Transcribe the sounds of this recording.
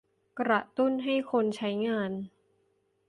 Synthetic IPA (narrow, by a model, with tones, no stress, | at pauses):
kɾa˨˩t̪u˥˩nɦa˥˩jkʰo˧nt͡ɕʰa˦˥jŋaː˧n